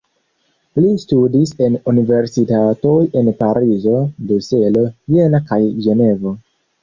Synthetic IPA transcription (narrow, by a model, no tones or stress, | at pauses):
listudise̞nunive̞ɾsitato̞je̞npaɾʔizo̞bluse̞lo̞jenakajʒe̞ne̞vo